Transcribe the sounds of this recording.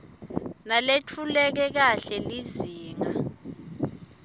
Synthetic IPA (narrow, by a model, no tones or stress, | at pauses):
nalet͡fʰulɛk̬ɛk̬aɬɛliziːŋa̰